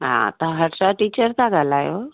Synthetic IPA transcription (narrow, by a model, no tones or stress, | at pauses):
ɦã̰t̪əɦəɽsaʈiːt͡ʃəɾt̪aɡʱalaːjo̰